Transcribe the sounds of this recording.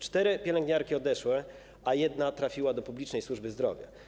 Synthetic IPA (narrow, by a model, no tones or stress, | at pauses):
t͡ʂt̪ɛɾɘpʲjɛlɛŋɡɲaɾkʲiɔd̪ɛʂwɛ | ajɛd̪nat̪ɾafʲiwad̪ɔpublʲit͡ʂnɛjswuʐbɘzd̪ɾɔ̰vʲja̰